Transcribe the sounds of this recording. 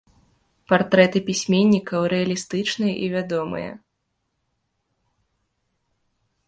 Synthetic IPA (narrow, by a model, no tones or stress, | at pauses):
part̪ɾɛt̪ɨpʲisʲmʲenʲːikɐwɾɛɐlʲist̪ɨt͡ʂnɨjɛʔivʲad̪ɔmɨ̰jɐ̰